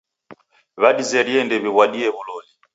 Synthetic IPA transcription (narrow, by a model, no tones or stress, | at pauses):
βaɗizɛɾiɛndɛβiβwaɗiɛβulɔli